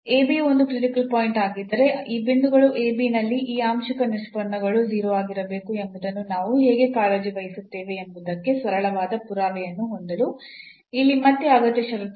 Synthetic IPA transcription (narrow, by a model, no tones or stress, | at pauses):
eːbio̞nd̪ukɾiʈikɐlpoːjiɳʈaːɡid̪ɐɾe̞iːbind̪uɡɐɭuʔe̞ːbinɐlːiʔiːaːmʃɐkɐniɾʂpɐɳːɐɡɐɭud͡ʒiːɾoʋaːɡiɾɐbe̞ːkue̞mbud̪ɐnːunaːʋuɦɛːɡe̞kaːleːd͡ʒikɐjisut̪ːeːʋe̞ːmbud̪ɐkːe̞sʋɐɾɐɭɐʋaːd̪ɐpuɾaːʋɛjɐnːuɦond̪ɐlu | ilːimɐt̪ːeɐɡɐt̪jɐʃɐɾu